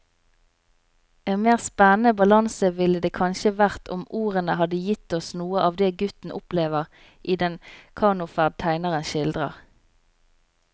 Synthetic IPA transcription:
ʔeːnmeːʁspɛnənəbɑlɑnsəʋɪləd̪eːkʰɑnʃəʋæʁt̪ʰʊ̰muːʁənəhɑd̪əjɪt̪ɔsnuːəʔɑːʋd̪eːɡʉt̪n̩ʔʊpleːʋəʁ | ʔiːd̪ɛnkʰɑːnʊfæʁd̪̚t̪ʰæɪnəʁənʃɪld̪ʁə̰ʁ

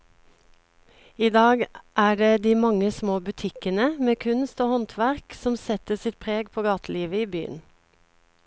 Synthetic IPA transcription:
iːd̪ɑːɡʔæːɖeːd̪iːmɑŋəsmoːbʉt̪ʰɪkənəmeːkʰʉnst̪oːhɔnt̪ʰʋæʁksɔmsɛt̪əsɪt̪̚pʰʁeːɡpʰoːɡɑːt̪ʰliːʋəiːby̰ːə̰n

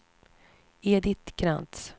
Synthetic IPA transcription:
ed̪ɪt̪kʰɾa̰nt̪s

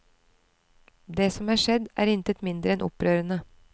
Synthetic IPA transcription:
d̪eːsɔmæːʃɛd̪ʔæ̰ːɾɪnt̪ət̪mɪnd̪ɾəɛnʔɔ̰pɾøːɾənə

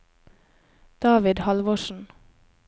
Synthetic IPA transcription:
d̪̥ɑːʋɪd̪hɑlʋoːʃn̩

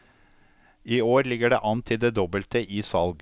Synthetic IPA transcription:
iːoːɾlɪɡəɖḛːʔɑnt̪ʰɪd̪eːd̪ɔbəlt̪əʔiːsɑlɡ

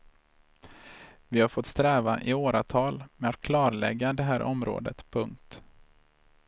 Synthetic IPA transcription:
vɪhaɾfɔt̪ːst̪ɾɛːvaʔɪoːɾat̪ʰɑːlmɛat̪̚kʰlɑːɾlɛ̰ɡːad̪ɛɦæːɾʔɔ̰mɾo̰ːd̪ə̰t̪pʰɵŋkt̪

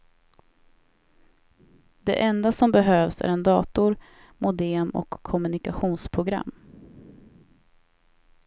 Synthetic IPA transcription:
d̪̥ɛ̰ʔɛnd̪asɔmbɛɦøːvsæ̰ɾɛnd̪ɑːt̪ʊɾ | mʔʊd̪eːmɔ̰kʰːɔmɵnɪkaɧuːnspʰɾʊɡɾa̰mː

